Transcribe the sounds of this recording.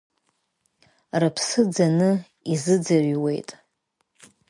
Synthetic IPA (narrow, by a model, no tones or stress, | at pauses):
rɨpʰsɨd͡zanɨ | izɨd͡zaɥwe̞jtʼ